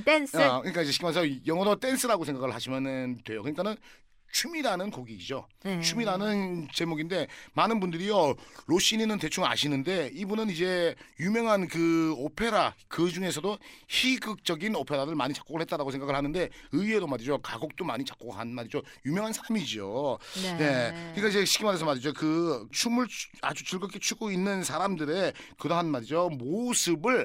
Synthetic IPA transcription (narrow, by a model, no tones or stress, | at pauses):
tenskɯɲik͈aid͡ʑeɕi̥kʰimansʰʌjʌŋʌɾʌt͈e̞nsʰɯɾaɡosʰe̞ŋɡaɡɯɭhaɕʰimjʌnɯndwe̞jokɯɲik͈anɯn | t͡ɕʰumiɾanɯnkoɡiid͡ʑot͡ɕʰumiɾanɯnt͡ɕe̞moɡinde̞manɯnbundɯɾijoɾoɕ͈ininɯnte̞t͡ɕʰuŋa̰ɕʰinɯnde̞ibunɯnid͡ʑe̞jumjʌŋɦankɯopʰe̞ɾakɯd͡ʑuŋe̞s̬ʰʌdoçiɡɯk̚t͡ɕ͈ʌɡinopʰeɾaɾɯɭmaɲit͡ɕḁk͈oɡɯɭhɦet͈aɾaɡosʰe̞ŋɡaɡɯɭhanɯnde̞ɯie̞domaɾid͡ʑokaɡok̚t͈oma̰ɲit͡ɕak͈oɡɦanmaɾid͡ʑojumjʌŋɦansʰaɾamid͡ʑiojekɯɲikaid͡ʑe̞ɕʰi̥k͈ʰimadesʰʌmadid͡ʑokɯt͡ɕʰumɯɭa̰d͡ʑut͡ɕɯɭɡʌk͈ʰet͡ɕʰuɡoinːɯnsʰaɾamdɯɾe̞kɯdʌɦanmaɾid͡ʑomosʰɯbɯɭ